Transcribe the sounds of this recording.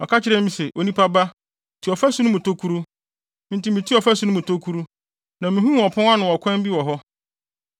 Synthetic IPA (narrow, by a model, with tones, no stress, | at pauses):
ɔ˨kʰa˦t͡ɕʰɪ˦ɾɛ˦ĩ˦sɛ˨ʔo˨nĩ˦pʰa˦ba˦ | tʰi˨ɔ˨fæ˦su˦nʊ̃˦mũ˨tʰo˦kʰu˦ɾu˦ | n̩˦ti˦mĩ˨tʰi˦ɔ˨fæ˦sũ˨˦nʊ̃˦mũ˨tʰo˦kʰu˦ɾu˦ | nã˨mĩ˨ɦũ˦m˦ɔ˨pʰɔ̃˦a˦nʊ̃˨ɔ˨kʰʷã˦m˦bi˦wɔ˨ɦɔ˦